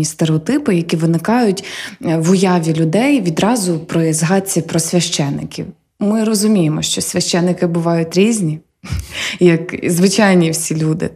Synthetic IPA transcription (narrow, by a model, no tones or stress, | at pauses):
ist̪eɾeɔt̪ɪpɪjɐkʲiʋɪnɪkɑjʊtʲʋʊjɑʋʲilʲʊd̪ɛjʋʲid̪ɾɑzʊpɾɔjizɦɑt͡sʲːipɾɔsʲʋʲɐʃt͡ʃɛnːɪkʲiw | mɪrɔzʊmʲijemɔʃt͡ʃɔsʲʋʲɐʃt͡ʃɛnːɪkɪbʊʋɑjʊtʲɾʲizʲnʲi | jɐkzʋɪt͡ʃɑjnʲiwsʲilʲud̪ɪ̰